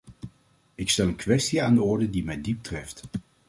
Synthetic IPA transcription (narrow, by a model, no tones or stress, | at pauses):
ɪkstɛlˠənkʋɛstiaːndəɔɹdədimɛjdip̚trɛft